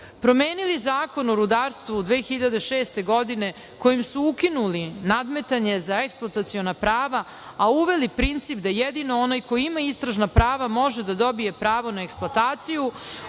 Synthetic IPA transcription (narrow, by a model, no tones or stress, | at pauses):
pɾo̞meːnilizaːko̞noɾud̪aːɾst̪ʋod̪ʋeːxiʎad̪e̞ʃeːst̪e̞ɡo̞d̪ine̞ | ko̞jimsuukinulinad̪me̞t̪aɲe̞zaeksplˠat̪at̪sio̞napɾaːʋa | auʋe̞lipɾint̪sipd̪ajed̪ino̞o̞najko̞jiimaist̪ɾaʒnapɾaːʋamo̞ʒed̪ad̪o̞bije̞pɾaːʋo̞naeksploat̪aːt̪siju